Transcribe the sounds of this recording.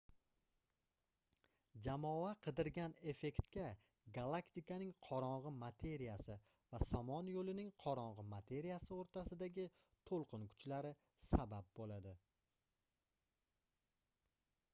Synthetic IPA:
d͡ʒamɒaqʰɨd̪ɪɾɡʲane̞fe̞kʲt̪kʲa | ɡalˠakt̪ɪkanɪŋqʰɒɾɒɴʁɨmat̪ʰe̞ɾijasɪ | vasamɒnjolɪnɪŋqʰɒɾɒɴʁɨmat̪ʰe̞ɾijasɪoɾt̪ʰasɪd̪aɡʲɪ | t̪ʰolˠqʰɨnkʰʊ̥t͡ʃlaɾɪ | sabap̚bolad̪ɪ

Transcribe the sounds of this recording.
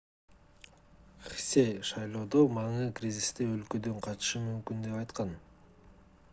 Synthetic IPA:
χisejʃɑjlˠo̞ːd̪o̞mɑɴɯkrʲizʲist̪eølkø̞d̪øɴqʰɑt̪ʃɯmymkynd̪e̞pɑjt̪qɑn

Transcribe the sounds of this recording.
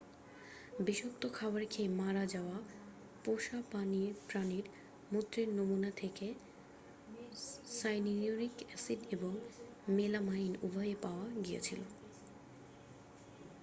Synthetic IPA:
biʃok̚t̪okʰabaɾkʰejmaɾad͡ʑaoa | poʃapanipɾaniɾ | mut̪ːɾeɾnomunat̪ʰeke | sajnioɾikɛsiɖeboŋ | melamainṵbʱɔepaoaɡijḛt͡ɕʰilo̰

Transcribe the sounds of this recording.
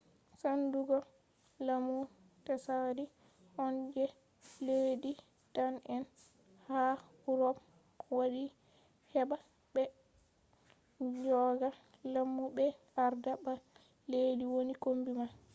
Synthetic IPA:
sanduɡɔ | lamu | tɛsadi | hɔnd͡ʒɛ | ledi | tanɛn | ha | uɾɔp | waɗi | hɛba | bɛ | d͡ʒɔɡa | lamːubɛ | aɾdaba | lediwonikombima

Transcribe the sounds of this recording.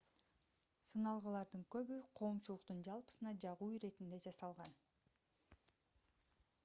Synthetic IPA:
sɯnɑlˠʁəlˠɑɾd̪ɯŋkø̞βyqʰo̞ːmt͡ʃulˠuqt̪und͡ʒɑlˠpɯ̥sɯnɑd͡ʒɑʁuːɾe̞t̪ind̪e̞d͡ʒɑsɑlˠʁɑn

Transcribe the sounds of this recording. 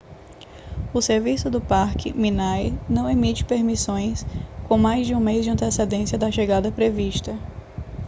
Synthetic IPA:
ʊseɾvisʊd̪ʊpaɾkɪ̰mĩnajnɐ̃w̃emit͡ʃɪ̥peɾmisõj̃skõmajzd͡ʒɪũmezd͡ʒɪɐ̃nt̪esed̪ẽsjɐd̪ɐʃeɡad̪ɐpɾeviʃt̪ɐ

